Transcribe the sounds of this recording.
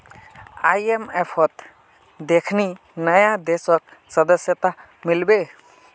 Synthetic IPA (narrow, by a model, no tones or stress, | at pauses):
ajemepʰɔt̪ | d̪ekʰni | nəjad̪esɔk̚səd̪əsjət̪a | milbe